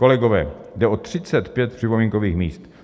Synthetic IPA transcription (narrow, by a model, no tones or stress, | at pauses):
kolɛɡo̞vɛːdɛʔo̞t̪r̝̥ɪt͡sɛt̪pjɛt̪̚pr̥ɪpo̞miːŋkoviːxmḭːst̪